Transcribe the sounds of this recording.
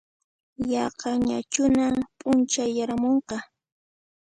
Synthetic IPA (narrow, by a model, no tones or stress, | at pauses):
jɑqɑɲat͡ʃʊnampʼʊnt͡ʃajaɾamoɴqɑ